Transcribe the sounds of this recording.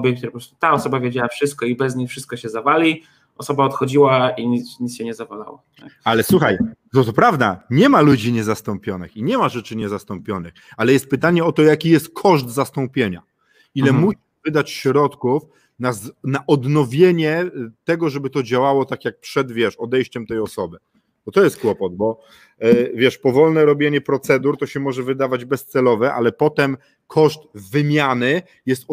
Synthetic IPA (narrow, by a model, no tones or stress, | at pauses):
bʲɛk̚t̪uɾɛpɔɾɔst̪u̥t̪aɔsɔbavʲjed͡ʑawafʂɘst̪̚kɔibɛzɲifʂɘst̪̚kɔɕɛzavalʲi | ɔsɔbaɔt̪xɔd͡ʑiwaiɲiɲit̪sɕɛɲɛzavala̰wa̰ | aalɛswuxaj̪ | ɔt̪ɔpɾavd̪a̰ɲɛmalud͡ʑiɲɛzast̪ɔmpʲjɔnɘ̰xiɲɛmaʐɛt͡ʂɘɲɛzast̪ɔmpʲjɔnɘxalɛjɛst̪̚pɘt̪aɲɛɔt̪ɔjakʲijɛst̪̚kʰɔʐd̪zast̪ɔ̃mpʲjeɲa̰ | ilɛmuɕivɘd̪at͡ɕɕɾɔt̪kuf | naznaʔɔd̪nɔvʲjeɲɛt̪ɛɡɔʐɛbɘt̪ɔd͡ʑawawɔt̪akʲjak̚pʂɛd̪vʲjɛʂɔd̪ɛjɕt͡ɕɛmt̪ɛjɔsɔbɘ | bɔt̪ɔjɛst̪̚kwɔpɔd̪̚bɔ | vʲjɛʂpɔvɔlnɛɾɔbʲjeɲɛpɾɔt̪sɛd̪uɾt̪ɔɕɛmɔʐɛvɘd̪avad͡ʑbɛst̪sɛlɔvɛʔa̰lɛpɔt̪ɛm | kʰɔʂt̪vɘmʲjanɘ | jɛst̪